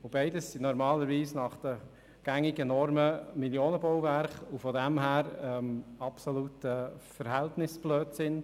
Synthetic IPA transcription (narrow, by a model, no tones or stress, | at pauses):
ʊbɛɪdəsːinɔɾmɑːləɾviːsnɑχd̥ə | ɡ̥æŋɪɡənɔɾməmiljoːnəbɔwvæɾχufɔdæmɦæːɾɛmɑpsɔlutəfəɾɦɛltnɪsb̥løːtsɪn